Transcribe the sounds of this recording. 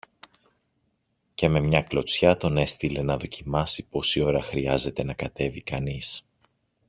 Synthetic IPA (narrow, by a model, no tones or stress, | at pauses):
ce̞me̞mɲɐklo̞t͡sçɐt̪o̞ne̞st̪ile̞nɐðo̞cimɐsipo̞sio̞ɾɐxɾiɐze̞t̪e̞nɐkɐt̪e̞vikɐnis